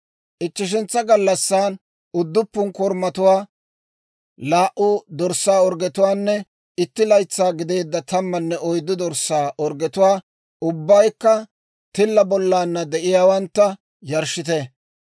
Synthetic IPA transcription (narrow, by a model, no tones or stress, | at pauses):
ʔɪt͡ʃːɪʃ̬ɛnt͡sːɐɡɐlːɐsːaːn | ʊd̪ːʊpːʊnkɔɾmɐt̪ʊwaː | laːʔʊd̪ɔɾsaːɔɾɡɛt̪ʊwaːnːɛ | ɪt̪ːɪlɐjt͡sːaːɡɪd̪e̞ːd̪ːɐt̪ɐmːɐnːɛʔɔjd̪ːʊd̪ɔɾsːaːʔɔɾɡɛt̪ʊwaː | ʊbːɐjkːɐ | t̪ɪlːɐbɔlːaːnːɐd̪ɛʔɪjaːwɐnt̪ːɐ | jɐɾʃɪt̪ɛ